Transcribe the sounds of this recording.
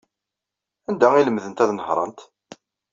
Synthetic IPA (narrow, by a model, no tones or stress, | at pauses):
ænd̪æiləmðənt̪æðnəhɾˤə̰nt̪